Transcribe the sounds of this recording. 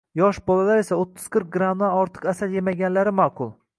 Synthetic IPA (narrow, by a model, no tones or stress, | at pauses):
jɒʃbɒlalaɾe̞saot̪ʰːɪ̥z̥kʰɪɾk̚ʲɡɾamd̪aɒɾt̪ʰɨ̥qasaljemaɡʲanlaɾɪmaːqʰʊlˠ